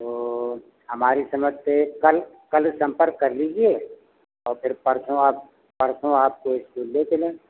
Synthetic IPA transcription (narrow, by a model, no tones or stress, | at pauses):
t̪oː | ɦɐmaːɾisɐməd͡ʒt̪ekɐl | kɐlsɐ̃mpəɾkːɐɾliːd͡ʒie | ɔːɾpʰɪɾpɐɾsõaːp̚ | pəɾsõaːp̚koɪskuːlːekelẽː